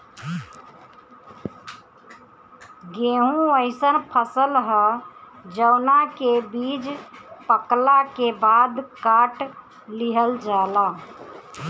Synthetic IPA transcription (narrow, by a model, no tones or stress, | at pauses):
ɡeɦũəɪsənpʰəsəlɦəd͡ʒəwnakebid͡ʒpəklakebad̪kaʈ | liɦəld͡ʒala